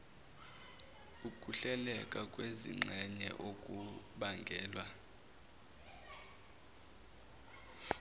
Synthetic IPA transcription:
ukʼuɬɛlɛkʼakʼwezḭŋ͡ǁʱɛɲɛ̰ʔokʼuɓaŋɡʱɛːlwa

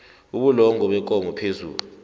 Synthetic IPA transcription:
uɓulɔŋʱɔɓɛkʼɔŋʱɔpʰezṵːlu

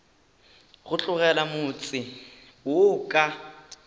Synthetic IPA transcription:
ɣʊt͡ɬʼʊɣɛlamʊt͡sʼɪ | wʊkʼa

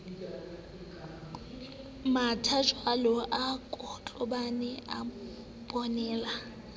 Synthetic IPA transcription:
matʰat͡ʃʼwalɔʔakʼɔt͡ɬʼɔbanɛʔa | bʼɔnɛːla

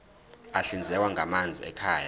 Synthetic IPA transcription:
aɬind͡zʱɛkwaŋamand͡zʱḭɛ̰kʰaːja̰

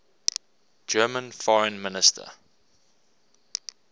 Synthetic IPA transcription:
d͡ʒɜːmə̃nfɔɹə̃nmɪnɪstʰə̰

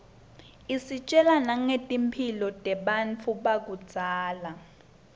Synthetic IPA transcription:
isit͡ʃʼɛlanaŋetʼimpʰilɔtʼɛɓant͡fʰuɓak̬u̥z̥ʱaːla

